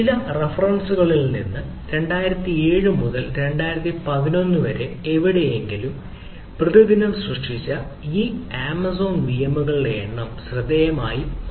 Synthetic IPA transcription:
ilɐrefɐrɐnsuɣɐɭilnḭnːɨ | ɾe̞ɳɖaːjiɾɐt̪ːie̞ːɻɨmuðɐlɾe̞ɳɖaːjiɾɐt̪ːipɐðino̞nːuʋɐɾe̞eʋiɽe̞jeŋɡilum | prɨðɐðinɐmsrɐʂʂit͡ɕːɐ | iːaːmɐso̞ːnʋijɐmːuɣɐɭḛːɳːɐmɕrɨd̪ːɐjɐmaːji

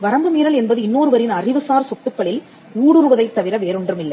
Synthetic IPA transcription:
ʋɐɾɐmbɐmiːɾɐlɛnbɐðɯɪnːoːɾɯʋɐɾɪnɐrɪʋɯsaːɾsɔt̪ːɯpːɐɭɪl | uːɽɯɾɯʋɐðɐɪt̪ːɐʋɪɾɐʋeːɾɯɳdrɯmɪlːɐɪ

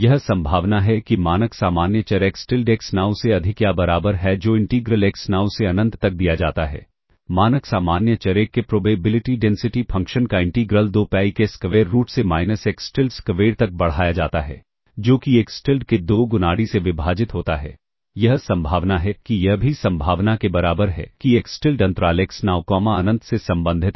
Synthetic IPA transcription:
jɐɦsɐ̃mbʱaːʋnaɦɛkimaːnəksaːmaːnjət͡ʃɐɾeːksʈɪlɖeːksnaːwseɐd̪ʱɪkjabɐɾaːbəɾɦɛd͡ʒoːɪ̃ɳʈiːɡɾəleːksnaːwseɐnə̃nt̪t̪ɐk̚d̪ijad͡ʒaːt̪aɦɛ̰ː | maːnəksaːmaːnjət͡ʃɐɾeːkːepɾoːbeːbɪlɪʈiɖɛ̃ːnsɪʈifʰɐ̃ŋkʃənkaɪ̃ɳʈiːɡɾəld̪oːpɛːikeskɐʋeːɾːuːʈsemaːɪnəseːksʈɪlɖskɐʋeːɽt̪ɐk̚bɐɽ̤aːjad͡ʒa̰ːt̪aɦɛ̰ː | d͡ʒoːkieːksʈɪlɖked̪oːɡʊnaːɽiseʋɪbʱaːd͡ʒɪt̪ɦoːt̪aɦɛː | jɐɦsɐ̃mbʱaːʋnaɦɛkijɐɦbʱisɐ̃mbʱaːʋnakebɐɾaːbəɾɦɛ̰kieːksʈɪlɖɐ̃nt̪ɾaːleːksnaːwkɔːmaɐnə̃nt̪sesɐ̃mbə̃nd̪ʱɪt̪

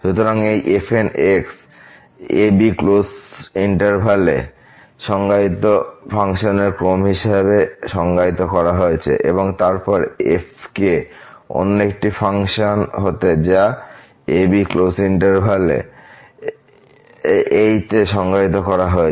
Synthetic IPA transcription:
ʃut̪oɾaŋejʔefʰeneks | ebiklosiɳʈeɾbʱale | ʃɔŋɡait̪ofʰaŋʃoneɾkɾomɦiʃaβeʃɔŋɡait̪okɔɾaɦoet͡ɕʰḛʔḛboŋt̪aɾpɔɾefkeɔ̰nekʈifʰaŋʃonɦot̪ed͡ʑa | ebiklosiɳʈeɾbʱalḛ | ejt̪eʃɔŋɡait̪̬okɔɾaɦoe

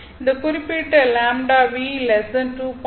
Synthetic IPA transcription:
nd̪ɐkuɾipiʈːlaːmɖaːʋilɛsɐnʈup

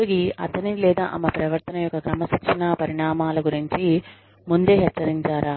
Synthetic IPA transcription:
uɡiʔɐ̰t̪ɐnilɛːd̪a̰ːʔɐmɐpɾɐʋɐɾt̪ɐnɐjɔkːɐkɾɐmɐsɐkt͡ʃʰinapɐɾiɳaːmaːlɐɡuɾiɲt͡ʃi | mund̪e̞ːɦɛt͡ʃːsɐɾiɲt͡ʃaːɾaː

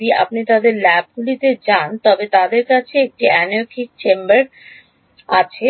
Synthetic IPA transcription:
ia̰p̚nit̪ad̪eɾlɛb̚ɡulit̪ed͡ʑant̪ɔbet̪ad̪eɾkat͡ɕʰeek̚ʈiɛnoɾkʰik̚t͡ɕembaɾ | at͡ɕʰe

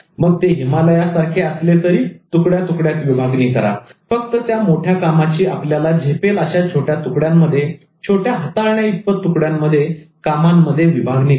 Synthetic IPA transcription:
məɡ̚t̪eɦimaləjasaɾkʰeəslet̪əɾiːt̪ukɽjat̪ukɽjat̪ʋibʱaɡnik̪əɾa̰fək̚t̪ət̪jamoʈʰjakamat͡ɕiːʔapljalad͡ʑʱepeləɕat͡ɕʰoʈjat̪ukɽjamːəd̪ʱːje | t͡ɕʰoʈjaɦət̪aɾɳjait̪̚pət̪ukɽjamːəd̪ʱːjekamamːəd̪ʱːjeʋibʱaɡni

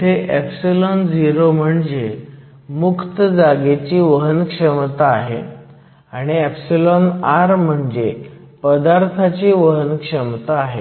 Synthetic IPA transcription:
t̪ʰeʔepsilɔnd͡ziɾom̤əɳd͡ze | mukt̪əd͡zaɡet͡ɕiːʋəɦənkʂəmt̪aːɦḛ | aɽ̃iɛpsilɔnaɾm̤əɳd͡ze | pəd̪aɾt̪ʰat͡ɕiːʋəɦənkʂəmt̪aːɦe

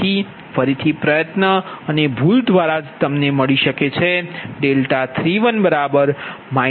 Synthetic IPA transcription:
i | fəɾit̪ʰipɾəjət̪nəənebʱuld̪ʱʋaɾad͡ʒt̪əmneməɭiʃəket͡ʃʰeɖelʈat̪ʰɾiʋənbəɾabəɾma

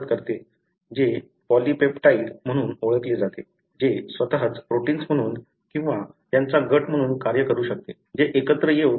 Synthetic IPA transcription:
t̪̚kəɾt̪e | d͡ʑe | pɔlipepʈaiɽm̤əɽ̃uːnoɭək̪led͡zat̪e | d͡ʑesʋət̪aɦət͡spɾoʈiːnsm̤əɽ̃uːn | kĩw̃ʋa | jant͡saɡʱəʈm̤əɽ̃uːnkaɾjəkəɾuːɕək̚t̪e | d͡ʑeʔekət̪ɾəje

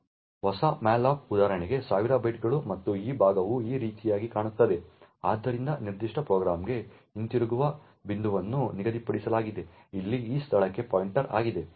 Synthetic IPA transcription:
ʋɔsɐmaːlaːp̚ud̪aːɾɐɳɛɡe̞saːʋiɾaːbɐjʈ̚ɡɐɭumɐt̪ːuiːbʱaːɡɐʋuiːɾiːt̪ijaːɡikaːɳut̪ːɐd̪e̞aːd̪ːɐɾind̪ɐniɾd̪iʂʈʰɐpɾoːɡɾaːmɡe̞ | int̪iɾuɡuʋɐ | bind̪uʋɐnːuniɡɐd̪ipɐɽisɐlaːɡid̪e | ilːiiːst̪ʰɐɭɐkːe̞paːjiɳʈɐɾa̰ːɡid̪e̞

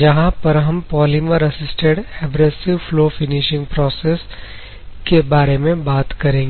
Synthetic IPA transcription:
d͡ʒɐɦãpɐɾɦɐmpɔːlimɐɾɐsɪsʈeɖɛːbɾesɪʋfloːfɪnɪʃɪ̃ŋɡpɾɔːses | kebaːɾemẽbaːt̪kɐɾẽːŋɡe

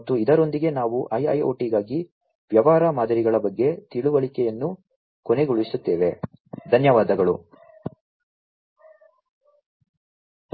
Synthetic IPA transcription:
t̪ːuid̪ɐɾo̞nd̪iɡe̞naːʋuʔɐjɐ̰jo̰ːʈiɡaːɡi | ʋjɐʋaːɾamaːd̪ɐɾiɡɐɭɐbɐɡːe̞t̪iɭuʋɐɭikɛjɐnːu | kone̞ɡuɭisut̪ːeːʋe̞d̪ʱɐnjɐʋaːd̪ɐɡɐɭu

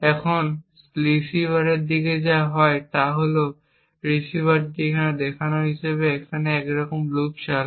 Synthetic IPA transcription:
ɛkʰɔn | ɹisibaɹed̪ikezaɦɔjt̪aɦoleʊ | ɹisibadikʰad̪ɛkʰanɔɹɦisɛbeːkʰanɛɛkɹɔkɔmlukʃal

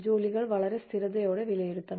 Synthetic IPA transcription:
d͡ʒoːlɪɣɐɭʋɐɭɐɾɐst̪ɪɾɐðɐjoːɽɐʋɪlɐjɛɽɯt̪ːɐn

